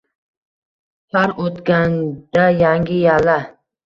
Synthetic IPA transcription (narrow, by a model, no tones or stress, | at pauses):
haɾot̪kʲand̪̥ajaŋɡʲɪjala